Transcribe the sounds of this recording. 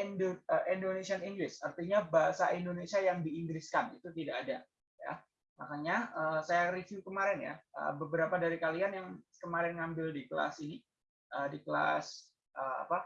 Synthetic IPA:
indoəʔindonesianiŋɡɾɪsart̪iɲabaɦasaindonesiajaŋdiːŋɡɾɪskanit̪ut̪idakːda | ja̰ | ma̰kaɲaʔəːsajarifjukəmaɾɪnja̰ʔə̰bəbəɾapadaɾikalianjaŋkəmaɾɪnŋambɪldikəla̰sini | əːdikəla̰s | ʔəa̰pa

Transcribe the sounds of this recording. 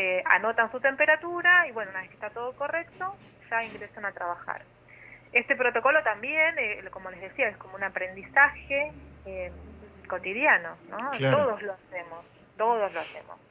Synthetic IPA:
eʔa̰no̞t̪ansut̪empeɾat̪uɾaiβwenounaeke̥t̪at̪oð̞oko̞re̞k̚t̪o̞ | ʒ̥aiŋɡɾesanat̪ɾaβaxa̰ɾ | est̪e̞pɾo̞t̪o̞ko̞lot̪ambjeneko̞mo̞le̞zð̞e̞siaesko̞mounapɾe̞nd̪isaxeeko̞t̪iðjano̞not̪oðozloasemos | t̪oðozloase̞̰mo̰s

